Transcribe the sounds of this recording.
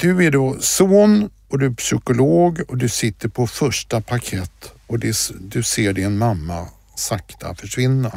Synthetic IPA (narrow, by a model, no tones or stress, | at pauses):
d̪ɵæɖosoːn | ɔd̪ɵæɾpsʏkʊloːɡɔd̪ɵsɪt̪ːəɾpʰɔfœʂʈapʰakʰɛt̪ː | ɔd̪ɛd̪ɵseːɖɪnmamːa | sakt̪ʰa̰fœʂvɪnːa